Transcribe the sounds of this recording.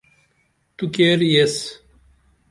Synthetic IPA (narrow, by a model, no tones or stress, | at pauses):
t̪ukeːɾjes